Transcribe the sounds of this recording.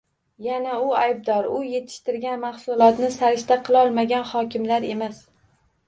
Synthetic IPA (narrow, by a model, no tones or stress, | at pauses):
janaʊajb̚d̪ɒɾʊje̞t̪ʰɪ̥ʃt̪ɪɾɡʲanmaχsʊlˠɒt̪nɪsaɾɪʃt̪aqʰɨlˠɒlˠmaɡʲanhɒkʲɪmlaɾe̞mas